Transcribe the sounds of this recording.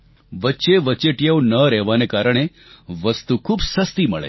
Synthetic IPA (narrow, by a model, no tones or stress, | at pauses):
ʋətːʃeʋətːt͡ʃeʈjaonəɾɛɦʋanekaɾəɽ̃e | ʋəst̪ukʰubsəst̪iməɭḛ